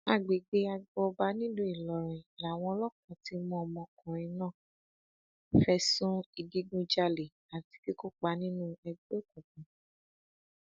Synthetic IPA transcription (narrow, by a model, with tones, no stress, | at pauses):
a˦˨ɡ͡be˨ɡ͡be˨˧a˧ɡ͡bɔ˧ba˦nĩ˦do˦i˨lɔ˨ɾ̃ĩ˨la˨w̃ɔ̃˧ɔ˧lɔ˦kɔ̃˨ti˧˦mũ˧˦ɔ˧mɔ̃˧kũ˨ɾ̃ĩ˧nãː˦˨ | fɛ˧˦sũ˦i˧ɡi˦ɡũ˦d͡ʒa˧le˨ | a˨ti̥˨˧ki˦ko˦k͡pa˦nĩ˦nũ˦ɛ˧ɡ͡bo˦˨kũ˨k̚ũ˨